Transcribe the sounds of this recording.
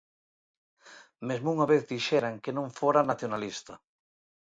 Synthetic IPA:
mezmouŋaβeθðiʃeɾaŋkenõɱfoɾanaθjonalist̪ɐ

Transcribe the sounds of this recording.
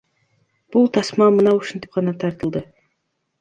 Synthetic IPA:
b̥ʊlˠt̪ʰɑsmɑmənɑwʊʃɪnt̪ɪ̥p̚qɑnɑt̪ʰɑɾt̪əlˠd̪ə

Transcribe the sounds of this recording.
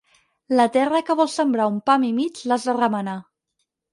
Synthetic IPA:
lət̪ɛrəkəβɔlˠsəmbɾaumpamimit͡ʃlazðərəməna

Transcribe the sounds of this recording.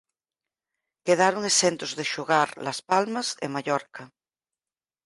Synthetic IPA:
keð̞aɾoŋesẽnt̪ozðeʃoɣaɾlaspalmasḛmaʎɔɾka

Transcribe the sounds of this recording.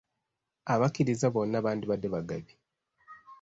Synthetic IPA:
aβakiɾizaβo̞nːaβaːndiβadːeβaɡaβi

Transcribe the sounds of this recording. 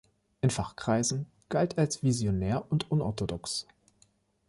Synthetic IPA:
ʔɪnfaχkʁ̥aɪzn̩ | ɡ̥altʰalsv̥izjonɛːɐʔʊntʔʊnɔ̰ɐtʰodɔks

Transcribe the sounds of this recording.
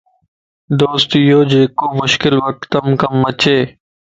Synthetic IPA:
d̪oːst̪ijoːd͡ʒeːkoːmʊʃkɪlʋək̚t̪əmkəmːət͡ʃʰeː

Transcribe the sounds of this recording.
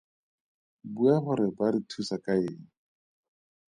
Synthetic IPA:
buaχʊɾɪbaɾitʰusakʼaeːŋ̩

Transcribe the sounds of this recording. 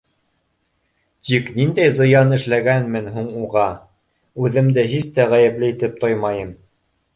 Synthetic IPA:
t̪iknind̪æjzɤ̆jɑnɘ̆ʃlæɡænmɘnhuɴuʁɑ | ʉðɘ̆md̪ɘɦist̪æʁæjɘ̆plɘit̪ɘp̚t̪ojmɑjɤm

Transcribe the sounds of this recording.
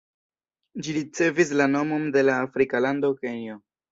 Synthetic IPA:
d͡ʒiɾit͡se̞vis̬lano̞mo̞mde̞laːfɾikalandokenio

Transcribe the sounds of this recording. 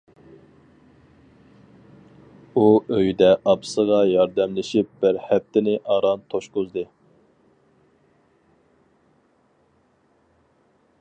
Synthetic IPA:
uøjd̪ɛʔɑpsəʁɑjɑɾd̪ɛmlɪʃip̚bɪɾhɛp̚t̪ɪnɪʔɑɾɑnt̪ʰoʃqʊzd̪ɨ

